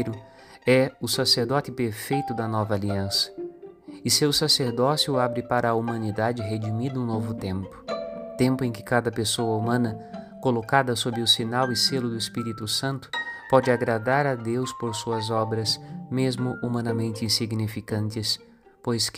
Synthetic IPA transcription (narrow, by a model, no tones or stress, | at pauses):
ɾʊ | ɛʊsaseɾd̪ɔt̪ɪpeɾfejt̪ʊd̪ɐnɔvɐaːliɐ̃sɐ̥ | ɪsewsaseɾd̪ɔsjʊabɾɪpaɾɐːumɐ̃nid̪ad͡ʒɪɦed͡ʒimid̪ũnovʊt̪ẽmpʊ̥t̪ẽmpʊẽkɪ̥kad̪ɐpesoɐumɐ̃nɐkolokad̪ɐsobɾɪʊsinawɪselʊd̪ʊɪspiɾit̪ʊsɐ̃nt̪ʊ̥pɔd͡ʒɪaɡɾad̪aɾɐd̪ewspoɾsuɐzɔbɾɐsmezmʊʔumɐ̃nɐmẽnt̪ɪĩsiɡnifikɐ̃nt̪ɪs | pojs